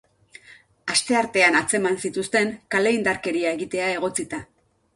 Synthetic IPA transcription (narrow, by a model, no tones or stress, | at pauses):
ast̪e̞aɾt̪e̞anat͡se̞mansit̪ust̪e̞ŋkaleind̪aɾke̞ɾiaeɣit̪e̞ae̞ɣ̞o̞t͡sit̪a